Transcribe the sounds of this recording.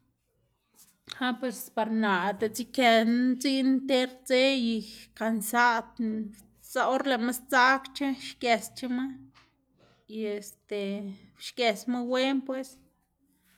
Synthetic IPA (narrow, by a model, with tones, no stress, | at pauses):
ha˦pwe˧spa˧ɾna˨t̪e˨t͡si˦ke˧nt͡si˦ʔnt̪e˦ɾt͡se˦ji˧ka˨nsa˦t̪ | sa˧o˦ɾle˨ma˦st͡sa˦kt͡ʃa˦ʃke˨st͡ʃa˦ma˦ | je˨st̪e˨ʃke˨sma˦we˦npwe˦s